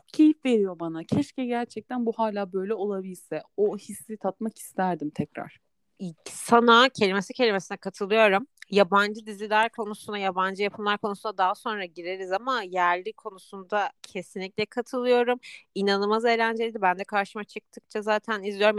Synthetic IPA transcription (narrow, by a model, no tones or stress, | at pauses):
cʰe̞jifve̞ɾijo̞banacʰɛʃcɛɟæɾt͡ʃʰɛc̚t̪ʰænbuhaːlʲaːbø̞jlʲɛo̞lˠabilʲsɛohisːit̪ʰat̪̚maki̥st̪ʰæɾd̪imt̪ʰɛcɾa̰ɾ̥ | isanacʰe̞lʲimesicʰe̞lʲimesinɛkʰat̪ʰɯlˠɯjo̞ɾumjaband͡ʒɯd̪izʲilʲæɾkʰo̞nusund̪ajaband͡ʒɯjapʰɯmlˠaɾkʰo̞nusund̪ad̪aɦaso̞nɾaɟiɾe̞ɾizamajæɾlʲikʰo̞nusund̪acʰe̞sinlʲicʲlʲɛkʰat̪ʰɯlˠɯjo̞ɾuminanɯmaze̞ːlʲænd͡ʒelʲid̪ibænd̪ɛkʰaɾʃɯmat͡ʃʰɯk̚t̪ʰɯk̚t͡ʃʰazaːt̪ʰænizlʲijo̞ɾm